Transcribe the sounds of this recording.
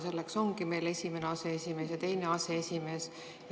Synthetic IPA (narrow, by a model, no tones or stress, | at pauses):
se̞lːekso̞ŋɡime̞ːle̞sʲimeneɑseesʲime̞ːsjɑt̪e̞jneɑseesʲime̞ːs